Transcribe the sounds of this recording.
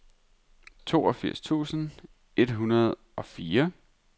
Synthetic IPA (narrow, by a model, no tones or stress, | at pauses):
t͡sʰo̝ːɒ̽fiɐ̰st͡sʰṵːsn̩ | e̝d̥ɦunɐð̞ˠ | ɒ̽fiːɐ